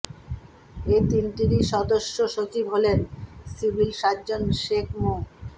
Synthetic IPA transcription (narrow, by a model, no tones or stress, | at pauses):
et̪inʈ̪iɾiʃɔd̪oʃːoʃot͡ɕibɦolensibʱilʃat̪̚d͡ʑonʃekʰmo